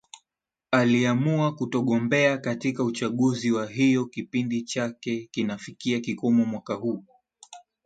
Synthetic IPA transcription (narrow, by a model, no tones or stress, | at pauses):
aliamuakutɔɠɔmbɛakatikaut͡ʃaɠuziwaɦijɔkipindit͡ʃakɛkinafikiakikɔmɔmwakahuː